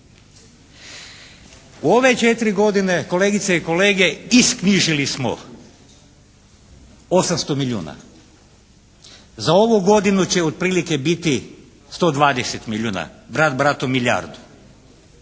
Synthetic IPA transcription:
uo̞ʋe̞t͡ʃet̪iɾiɡo̞d̪ine̞ko̞leːɡit̪seiko̞le̞ːɡe̞iskniʒilismo̰ | osamst̪o̞miʎʲuːna̰ | zao̞ʋuɡo̞d̪inut͡ɕeod̪̚pɾiːlike̞bit̪i | st̪o̞ːd̪ʋaːd̪eset̪miʎʲuːna̰bɾad̪bɾat̪omilja̰ːɾd̪u̥

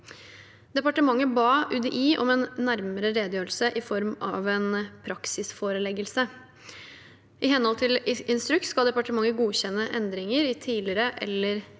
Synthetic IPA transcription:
d̪ɛpɑʈəmɑŋːəbɑːʔʉd̪əʔiːʔɔmɛnːæɾməɾəɾeːd̪jøːɾəlsəʔɪfɔɾmɑ̰ʋɛnpʰɾɑksɪsfoːɾəlɛɡəlsə | ʔɪɦɛnhɔlt̪ʰɪlɪnst̪ɾʉk̚t̪skɑld̪ɛpɑʈəmɑŋːəɡuːçɛnːəʔɛnd̪ɾɪŋəɾɪt̪ʰiːlɪɾəʔɛ̰lːəɾ

